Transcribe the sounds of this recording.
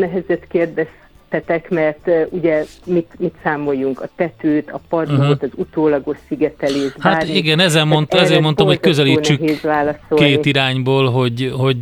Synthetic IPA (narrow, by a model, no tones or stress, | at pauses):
nɛɦɛzɛt̪keːrd̪ɛs | t̪ɛt̪ɛkmɛrt̪uɟɛmit̪mit̪saːmo̞jːuŋkɒt̪ɛt̪øːt̪ɒpɒroːt̪ɒzut̪oːlɒɡo̞ʃsiɡɛt̪ɛleːʒbhaaːiɡɛnɛzɛlmont̪ɛzeːrmo̞nt̪omho̞ckø̞zɛliːnt͡ʃt͡ʃykɦeːzʋaːlɒso̞k̪enːt̪iiɾaːɲboːlɦo̞ɟɦo̞ɟ